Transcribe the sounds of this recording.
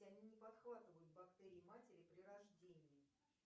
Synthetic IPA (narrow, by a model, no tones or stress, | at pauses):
ɐnʲinʲɪpɐt̪xvat̪ɨvəjʊt̪̚bɐkt̪ɛɾʲɪɪmatʲɪɾʲɪpɾʲɪɾɐʐdʲenʲɪjɪ